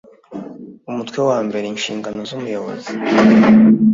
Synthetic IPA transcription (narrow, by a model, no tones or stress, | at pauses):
umutkwewaːmbe̞ɾenʃḭːŋɡanozumujaβo̰ze